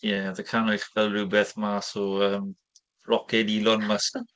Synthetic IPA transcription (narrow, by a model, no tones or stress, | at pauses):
jɛadəkʰanɔjχvɛlˠruwbɛθmasɔəːm | rʔɔkʰɛdilˠɔnməsən